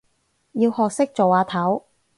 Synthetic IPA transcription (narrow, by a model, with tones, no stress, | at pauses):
jiː˧whɔː˨k̚sɪ˥k̚t͡so˨waː˨˧t̪ʰɐ˨˥w